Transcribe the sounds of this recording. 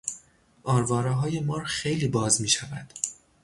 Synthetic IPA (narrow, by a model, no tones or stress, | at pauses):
ʔɒːɾvɒːɾɛːɦɒːje̞mɒːɾxe̞jliːbɒːzmiːʃævæd̪̥